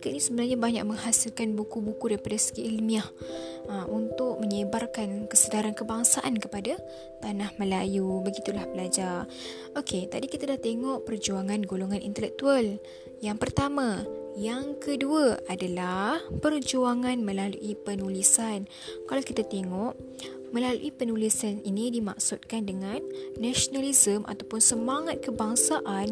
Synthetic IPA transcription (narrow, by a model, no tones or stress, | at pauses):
ikət̪nisəbənarɲabaɲa̰ʔ̚mə̃ŋɦasilkanbukubukudaɾipadasə̥kiʔilmiahəmunt̪ʊk̚məɲəbarkankəsədaɾankəbaŋsaʔankəpada | t̪anahmə̃lajubəɡit̪ulahbəlad͡ʒar | okʰet̪adikit̪adaht̪eŋɔʔpərd͡ʒuaŋanɡoloŋanḭnt̪əlɛk̚t̪ual | jaŋpərt̪amãjaŋkəduaadalahpərd͡ʒuaŋanmə̃lalṵʔipənulisan | kalawkit̪at̪eŋɔʔ | mə̃lalṵʔipənulisaninidima̰ksut̪̚kandəŋanːaʃonalizəmʔa̰t̪awpʊnsəmaŋat̪̚kəbaŋsaʔan